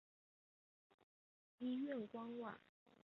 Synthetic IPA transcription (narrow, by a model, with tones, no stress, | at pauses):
i˥ɥɛ˥˨nkwɑ˥ŋwa̰˥˩˦